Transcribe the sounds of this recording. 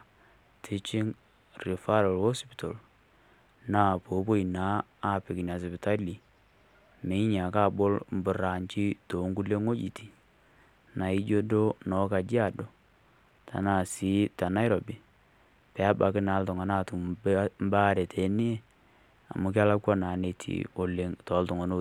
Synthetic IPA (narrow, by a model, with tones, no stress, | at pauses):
tʰɪ˦t͡ʃɪ˦ŋ | ri˨fa˦ɾɔ˨lhɔ˦spi̥˨to˨l | na˨po˨˦po˦i˨na˦a˦˨pɪ˨kna˨s̬ɛ˨pɪ˨ta˦li˨ | mɪ˨˦ɲa˨ka˦˨bo˦lm˦bʊ˨ɾa˨ɲt͡ʃi˦to˨˦ŋɡu˦le˦ŋo˦d͡ʒḭ˨ti̥˨ | na˨ɪ˦d͡ʒo˦do˦nɔ˨˦ka˨d͡ʒi˦a˨do˨ | tʰa̰˨na˨si˨˦ta˨na˦ɪ˦ɾo˨bi˨ | pɛ˨a˦ba˨kɪ˦na˨˦ltɔ˨ŋa˨na˦tu˨m˦ba˦ɾe˨tʰe˨˦ni˦e˦ | a̰˨mʊ˨˦k̬ɪ˦a˦la˦kwa˦na˨ne˨tʰḭ˨o˨le˨ŋtɔ˨˦ltʊ˨ŋo˨no˦˨